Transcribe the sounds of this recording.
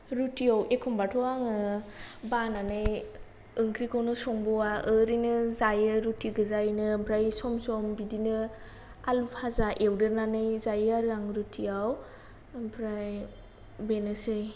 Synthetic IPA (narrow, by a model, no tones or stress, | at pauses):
ɾutiawʔekʰɔmbatʰɔaŋɯbananɯj | ɯŋkʰɾikʰɔwnɯsɔŋbɔwaʔɯɾinɯzajɯɾutiɡɯzajnɯpʰɾajsɔmsɔmbidinɯ | alupʰazaʔewdɯɾnanɯjzajaɾaŋɾutʰiaw | pʰɾaj | benɯsɯj